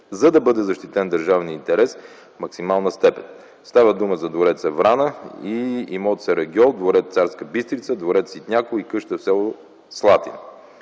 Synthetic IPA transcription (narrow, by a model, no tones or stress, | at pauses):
zɐd̪ɐbɤd̪ɛzɐʃt̪it̪ɛnd̪ɐɾʒavniint̪ɛɾɛs | fmɐksimalˠnəst̪ɛpɛn | st̪avəd̪uməzɐd̪voɾɛt̪səvɾanəiimɔt̪sɛɾɐɡʲiɔnd̪voɾɛt̪̚t̪saɾskəbist̪ɾit̪səd̪voɾɛt̪sit̪nʲakʊikɤʃt̪əfsɛlˠo | slˠat̪ḭn